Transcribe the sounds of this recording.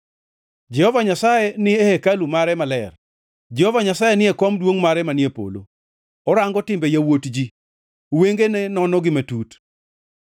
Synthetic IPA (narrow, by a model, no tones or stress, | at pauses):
d͡ʒɛhɔvaɲasajenɪehekalumaɾɛmalɛr | d͡ʒɛhɔvaɲasajenɪekɔmdwoŋmaɾɛmanɪepo̰lo̰ | ɔɾaŋɡɔtɪmbejawotd͡ʒi | weŋɡenenɔnɔɡɪmetut